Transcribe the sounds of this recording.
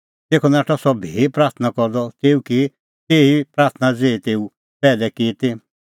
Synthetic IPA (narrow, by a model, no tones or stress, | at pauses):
t̪eːkʰɔnaːʈʰɔsɔbʱiːpɾaːɾt̪ʰənakɔɾd̪ɔt̪eːukɪ | t̪eːipɾaːt̪ʰnad͡zeːt̪eːu | pɛːlɛkɪt̪ɪ